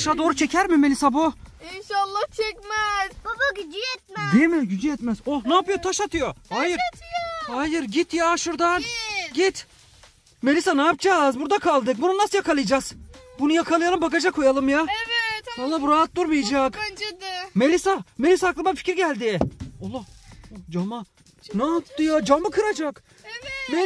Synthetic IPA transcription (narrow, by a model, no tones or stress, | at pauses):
ʃad̪o̞ːɾut͡ʃʰecʰæɾmimelʲisabuinʃalˠːaht͡ʃʰɛcmɛzd̪aɡyd͡ʒijɛt̪md̪emiɟyd͡ʒijɛt̪mæzonaːpɯjot̪ʰaʃat̪ʰɯjohajɯɾhajɯɾɟit̪jaʃuɾd̪anɟit̪ | me̞lʲisanaːpd͡ʒazbuɾd̪akʰalˠd̪ɯk̚bununːasɯjakʰalˠɯjd͡ʒaz̥bunujakʰalˠɯjalˠɯmbakad͡ʒakʰo̞jalˠɯmjasanlːˠabuɾaɦat̪̚d̪uɾmɯjad͡ʒak | me̞lʲisame̞lʲisaːklˠɯmbanficʰʲiɾɟælʲd̪iolˠːad͡ʒama | nat̪ːɯjad͡ʒamɯkʰɯɾad͡ʒak | me